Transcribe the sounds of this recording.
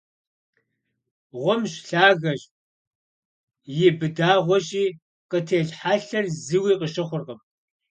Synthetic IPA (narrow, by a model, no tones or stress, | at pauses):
ʁʷʊmɕɬaːɣɐɕ | jɪbɨdaːʁʷɔɕʼiː | qətʰeːɮħaːɬɐrzɨwiːqəɕɪχʷʊrʁəm